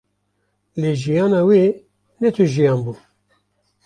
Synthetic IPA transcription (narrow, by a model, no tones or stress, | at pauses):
leːʒijɑːnɑːweː | nɛt̪ʰuʒijɑːnbuː